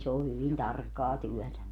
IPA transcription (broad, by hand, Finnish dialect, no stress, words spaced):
se o hyʋin tɑrkːɑː tyœˑtæ